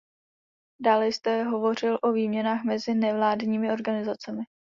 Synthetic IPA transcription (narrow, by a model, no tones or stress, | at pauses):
daːlɛjst̪ɛɦo̞vo̞r̝ɪlʔo̞viːmɲɛnaːxmɛzɪnɛvlaːdɲiːmɪo̞ɾɡanɪzat͡sɛmɪ